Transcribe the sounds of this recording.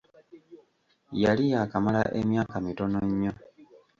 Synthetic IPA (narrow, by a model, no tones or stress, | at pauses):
jalijakamalaʔemjaːkamito̞noɲːo